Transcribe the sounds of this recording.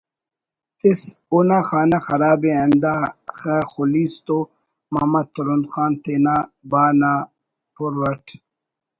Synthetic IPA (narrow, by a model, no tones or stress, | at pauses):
t̪isunaxaːnaxɐɾaːbeɐnd̪axaxuliːst̪o | mamɐt̪ʰuɾund̪xaːnt̪ʰenaːbaːnaː | pʰuɾːɐʈʰ